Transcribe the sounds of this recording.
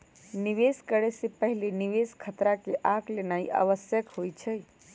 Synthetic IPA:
niʋeskəɽesepəɦɪleniʋeskʰət̪ɾakeʔaɡlenaːḭʔa̰ʋəsjəkɦojt͡ʃʰə

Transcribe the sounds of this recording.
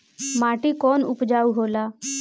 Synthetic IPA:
maːʈiːkɔːnʊ̰pd͡ʒaːuɦoːlaː

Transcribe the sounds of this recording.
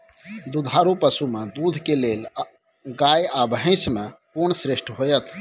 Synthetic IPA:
d̪ud̪ʱaɾupəsumed̪ud̪ʱkelel | ɡajabɦə̃ɪ̃smekunsɾeʃʈʰɦojət̪ʰ

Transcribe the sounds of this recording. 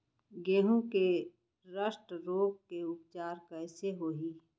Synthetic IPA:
ɡeːɦũke | ɾəʃʈɾoːɡ̚keʊp̚t͡ʃaːɾkɛːseɦoːɦi

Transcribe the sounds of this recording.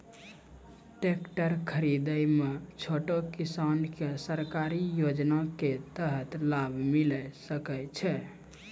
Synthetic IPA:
ʈekʈəɾkʰəɾid̪əjmet͡ʃʰoʈokisankesəɾkaɾijod͡ʒnaket̪əɦət̪labʱmilɛsəkɛt͡ʃʰɛ

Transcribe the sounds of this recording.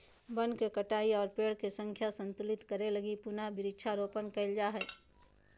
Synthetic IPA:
bənkekəʈaːiɔːɾpeːɽkesə̃ŋkʰjasə̃nt̪ʊlɪt̪kəɾelɐɡipʊnabɪɾɪʃʰaɾoːpənkɐɪld͡ʒaːɦɛː

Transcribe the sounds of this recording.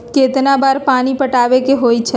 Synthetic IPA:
ket̪nabaɾpañipəʈaʋekeɦojt͡ʃʰe

